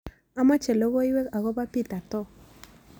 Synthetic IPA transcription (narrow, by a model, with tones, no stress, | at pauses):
a˦ma˦t͡ʃe˨lo˦wo˦i˦wɛ˦ka˨ɣɔ˦ba˦pi˦t̪a˨t̪ɔ˦